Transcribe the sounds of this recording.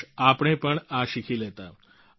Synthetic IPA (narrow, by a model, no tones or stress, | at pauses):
apɳ̃ẽpəɳaʃikʰiːlet̪a